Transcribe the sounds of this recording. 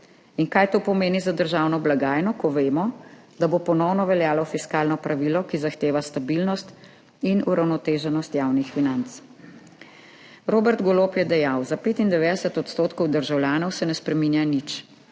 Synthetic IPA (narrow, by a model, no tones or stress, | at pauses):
inkaːjt̪oːpɔmeːnizad̪əɾʒaːwnɔblaɡaːjnɔkɔʋeːmɔ | d̪abopɔnɔwnɔʋɛljaːlɔfiskaːlnɔpɾaʋilɔkizaxt̪eːʋast̪abilnɔst̪ | inuɾawnɔt̪eːʒɛnɔst̪jawnixfinant̪s | ɾoːbɛɾt̪ɡoloːpjɛd̪ɛjawzapeːt̪ind̪ɛʋeːd̪ɛsɛt̪ɔt̪st̪oːt̪kɔwd̪əɾʒawljaːnɔwsɛnɛspɾɛminjanit͡ʃ